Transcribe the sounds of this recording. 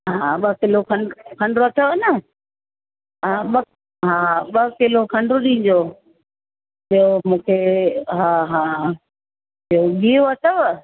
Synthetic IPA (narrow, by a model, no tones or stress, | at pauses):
ɦãɓəkɪlokʰɐɳkʰɐ̃ɳɖɾoɐt̪ʰoʋnə | ɦaːɓə | ɦãːɓəkɪlokʰɐ̃ɳɖɾʊɗĩːd͡ʑoː | piomũːkʰeɦãːɦãː | ioɡioɐt̪ʰoʋ